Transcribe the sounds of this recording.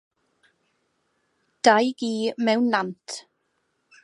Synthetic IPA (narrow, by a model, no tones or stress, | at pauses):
d̥ajɡiːmɛwnlantʰ